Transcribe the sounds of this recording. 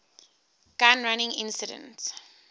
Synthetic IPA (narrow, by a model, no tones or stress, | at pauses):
ɡ̥ãnɹanɪ̃ŋɪ̰̃nsɪdə̰̃nts